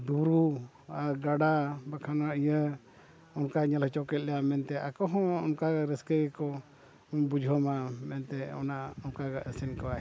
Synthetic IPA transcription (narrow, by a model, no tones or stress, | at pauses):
d̪uɾu | aɡaɽabakʰanaijə | ɔnkaɲəlt͡ʃɔkɛt̪̚lɛjamɛnt̪ɛʔakɔɦɔ̃ɔnkaaɾɛskəɡɛkɔ | bud͡ʒʱɦɔmamɛnt̪ɛɔ̰naʔɔnkaɡaʔəsinkawa